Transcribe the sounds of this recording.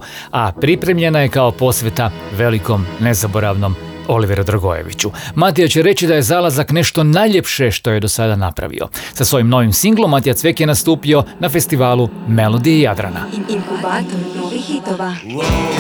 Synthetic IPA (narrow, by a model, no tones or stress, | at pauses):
apɾipɾe̞mʎe̞naje̞kaopo̞sʋjet̪a | ʋe̞liko̞mne̞zabo̞ɾaʋno̞m | o̞liʋeɾod̪ɾaɡo̞̰je̞̰ʋḭt͡ɕumat̪̬ijat͡ɕeɾe̞t͡ɕid̪aje̞zalazakne̞ʃt̪o̞najʎe̞pʃeʃt̪o̞je̞d̪o̞sad̪anapɾa̰ʋḭo̞̰sasʋo̞jimno̞ʋimsiŋɡlˠomːat̪ijat̪sʋe̞kjenast̪uːpio̞nafe̞st̪iʋaːlume̞lo̞d̪iejad̪ɾa̰na̰